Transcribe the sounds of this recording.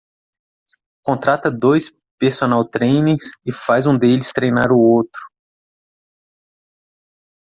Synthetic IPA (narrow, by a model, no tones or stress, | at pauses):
kõnt̪ɾat̪ɐd̪ojs | peɾsonawt̪ɾejneɾsɪfajzũd̪elɪst̪ɾejnaɾʊowt̪ɾʊ̥